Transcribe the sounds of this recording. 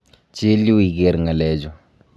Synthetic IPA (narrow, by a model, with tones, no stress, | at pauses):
t͡ʃe˦li˦wi˨ɡe˨ɾŋa˨lɛ˨d͡ʒɔ˨